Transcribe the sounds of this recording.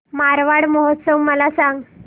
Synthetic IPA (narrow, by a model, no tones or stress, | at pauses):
maɾʋaɽmɔɦot̪səwməlasaŋɡ